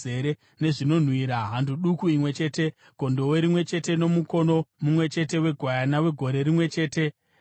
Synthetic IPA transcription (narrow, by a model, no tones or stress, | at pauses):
e̞ɾe | ne̞ʐino̞n̤wiɾaɦandʱuɗukuimwe̞t͡ʃe̞ːte̞ | ɡ̥ʱo̞ndo̞weɾimwe̞t͡ʃe̞te̞no̞muko̞no̞mumwe̞t͡ʃe̞te̞we̞ɡʱwajanawe̞ɡʱo̞ɾe̞ɾimwe̞t͡ʃe̞ːte̞